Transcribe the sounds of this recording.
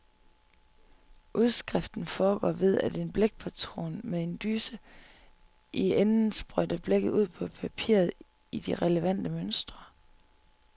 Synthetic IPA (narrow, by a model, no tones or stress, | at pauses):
ʔuð̞ˠsɡ̥ʁɛfd̥n̩fɒːɡ̥ɒ̰ːʋe̝ð̞ˠæd̥e̝nb̥leɡ̥̚pʰæt͡sʰʁo̝̰ːnmeðˠe̝nd̥ysə | ʔienn̩sb̥ʁœd̥ɐb̥leɡ̥əð̩ˠuð̰ˠpʰɒ̽pʰæpʰḭːɐ̰ð̞̩ˠ | id̥iʁɛləʋæn̰d̥əmønsd̥ʁɐ